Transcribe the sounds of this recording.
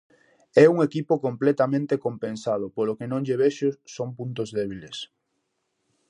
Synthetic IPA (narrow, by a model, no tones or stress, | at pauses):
ɛuŋekipʊkomplɛt̪amẽnt̪ekompẽnsað̞ʊpolokenõŋʎeβeʃʊsompunt̪ozðɛβiles